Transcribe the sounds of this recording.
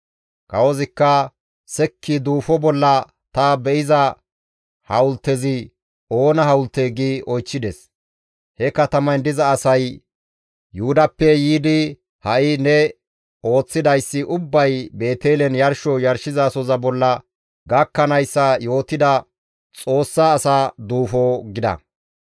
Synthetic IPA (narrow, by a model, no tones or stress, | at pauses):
kɐwɔzɪkːɐ | sɛkʰːɪd̪uːfɔbɔlːɐ | t̪ɐbɛʔɪzɐ | hɐwʊlt̪ːɛzɪ | ʔo̞ːnɐɦɐwʊlt̪ːeːɡiːʔɔjt͡ʃːɪd̪ɛs | hɛkɐt̪ɐmɐnd̪ɪzɐːsɐj | jʊʊd̪ɐpːɛjiːd̪ɪ | hɐʔɪnɛ | o̞ːt͡sːɪd̪ɐjsːɪʔʊbːɐjbe̞ːt̪eːlɛnjɐɾʃɔjɐɾʃɪzɐsɔzɐbɔlːɐ | ɡɐkːɐnɐjsːɐjo̞ːt̪ɪd̪ɐ | t͡sʼo̞ːsːaːsaːd̪uːfɔɡɪd̪ɐ̰